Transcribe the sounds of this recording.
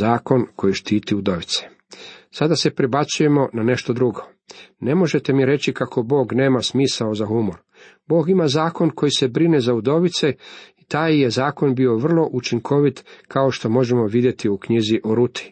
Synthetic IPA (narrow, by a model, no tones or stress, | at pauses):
aːko̞nko̞jiʃt̪iːt̪iud̪o̞ʋit̪se̥ | sad̪ase̞pɾibat̪suje̞mo̞nane̞ʃt̪o̞d̪ɾuɡo̞ | ne̞mo̞ʒe̞t̪e̞miɾe̞t͡ɕikakʰo̞bo̞ːɡne̞ːmasmiːsaozahumo̞ɾ | boːɡimazaːko̞nko̞jise̞bɾine̞zaud̪oʋit̪se̞it̪aːjje̞zaːko̞nbio̞ʋr̩lˠo̞ʔut͡ʃiŋkʰo̞ʋit̪kʰao̞ʃt̪o̞mo̞ʒe̞mo̞ʋid̪je̞t̪iukɲiziʔoɾut̪ʰi̥